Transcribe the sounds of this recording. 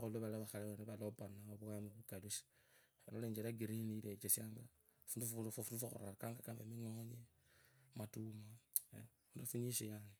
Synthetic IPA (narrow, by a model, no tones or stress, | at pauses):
aoloβalaβaxaleβeneβalopanaoβuamiβukalusi̥βaloleːɲd͡ʒeɾaɡiɾinilet͡ʃesjaːŋɡa | funduffundufaxo̰ɾa̰ɾakaːŋɡakambemiŋoɲe | matuma | funduafuɲiʃejane